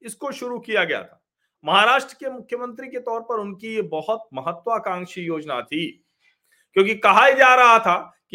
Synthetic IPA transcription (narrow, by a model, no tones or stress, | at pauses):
ɪskoʃʊɾukijaɡɐja̰t̪ʰḁː | mɐɦaɾaːʃʈɾəkemʊkʰjəmə̃nt̪ɾiket̪ɔːɾpɐɾʊnkijebɐɦʊt̪̚mɐɦət̪waːkãːŋkʃijoːd͡ʒna̰t̪ʰiː | kjõːkikɐɦaid͡ʒaːɾɐɦat̪ʰaː | ki